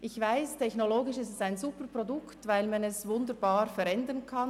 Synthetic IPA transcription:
ʔɪçv̥aɪstʰɛçnoloːɡɪʃɪstɛsaɪnzuːpəpʁodʊktvaɪlmanɛsvʊndəɾbaːɾfɛɾɛndənkʰan

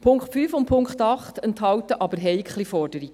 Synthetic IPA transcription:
pʰʊŋkχtfyːfʊn̚pʰʊŋχtɑχtɛnthɑwtəʔɑbəɾɦɛjkχlifɔɾdəɾiɡ̥

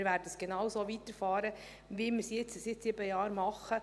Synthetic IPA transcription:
ɾʋæːɾdəsɡ̥enɑwsoːʋit̪əɾfɑːɾə | ʋimɪɾsjɪt͡ssɪt̪sɪbəjɑːɾmɑχːə

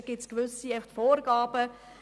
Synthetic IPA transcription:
ɡ̥ɪtskʋʏsiafχt̪foːɾɡɑːbə

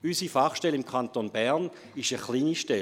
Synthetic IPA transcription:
ysifaχʃtɛlɪmkʰant̪onbɛʁn | ɪʃəχliːniʃtɛ

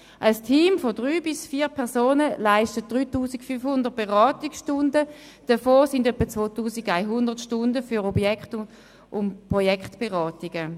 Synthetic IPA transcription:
ʔastʰiːmfodʁyːbɪsfiːpʰɛʁsoːnəlaɪʃtət̚d̥ʁyːtuːsikfynfhʊndəʁt̚b̥eʁɑːtɪksʃtʊndə | d̥əfoːsɪndœpːət͡sʋoːtuːsiɡaɪɦʊndəʁtʃtʊndəfyʁɔbjɛkχt | ʔʊnpʁojɛkχtb̥eʁɑːtɪɡə

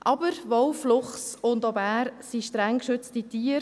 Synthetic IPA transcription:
ʔɑbəɾʋowflʊχsʊndɔbæːɾsiʃtɾɛŋkʃʏtt͡stitiːəɾ

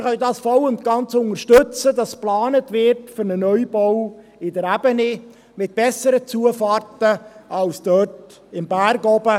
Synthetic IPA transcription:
χœldɑːsfɔwʊntɡ̥ɑnt͡sʊŋəɾʃtɵt͡sədɑsplɑːnətvɪɾtfʏɾnənœʏbɔw | ɪdəɾæbəni | mɪt̚b̥ɛsəɾət͡suəfɑːrtəʔɑlsd̥œːt | ɪmbæːɾɡɔbə

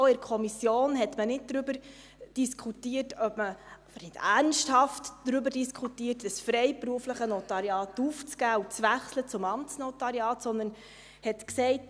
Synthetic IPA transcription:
ɪɾkʰɔmisjoːnɦɛtmənɪd̚d̥ɾʏbəɾ | d̥iskʰutiːətœbməfənɪdæɾnʃthɑftd̥ɾʏbəɾdiskʰχutiːərtdəsfɾɛɪpɾuəfləχənɔtɑɾiɑːtuft͡sɡæːut͡sʋæχslət͡sʊmɑmtt͡snɔtɑɾiɑːtsɔnd̪ən | hɛtksɛɪt

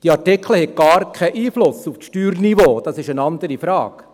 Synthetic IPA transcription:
d̥iɑɾtɪkʰl̩hɛk̚ɡ̥ɑːɾkʰɛʔiːflʊsufʃtyːɾniʋoːd̥ɑsɪʃənɑndəɾifɾɑ̰ːk

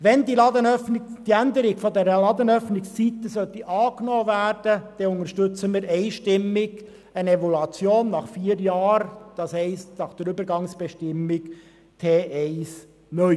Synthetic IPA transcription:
ʋɛnd̪ilɑdənœfnɪd̥iændəɾɪɡ̥fɔd̪ɛɾəlɑd̪ənœfnɪkssit̪əsœt̪ːiʔɑːknoːvæːrd̥əd̥ɛʊŋəɾʃtʏt͡səmɪːɾɛɪʃtɪmːɪɡ | əneʋɔlɑt͡sjoːnːɑχfiːəɾjɑːɾd̥ɑshɛɪstnɑχd̥əɾʏbəɾɡɑŋsb̥ɛʃtɪmːɪk | t̪ʰeːʔɛɪs | nœʏ

